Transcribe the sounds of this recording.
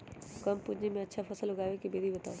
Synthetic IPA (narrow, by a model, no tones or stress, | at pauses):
kɐmpʊd͡ʑemẽɐtːʃʰafɐsəlʊɡaːʋekibeːd̪ibɐt̪aːo